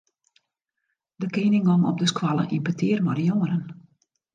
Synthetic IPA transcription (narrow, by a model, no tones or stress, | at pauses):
dəkeːnɪŋɔmɔ̰p̚dəskwalˠə̰ʔinpətɪːrmɔdəjoŋəɾən